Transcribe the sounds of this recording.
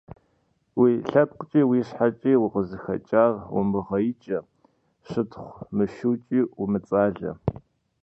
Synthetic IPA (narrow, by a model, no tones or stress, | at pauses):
wiːɬɐp̚qət͡ʃʼiːwiːɕħat͡ʃʼiːwʊqəzɨxɐ̰t͡ʃʼaːrwʊ̰mɨʁɐjɪt͡ʃʼɐ | ʃɨtχʷmɨʃuːt͡ʃʼiːumɨt͡sʼaːɮɐ̰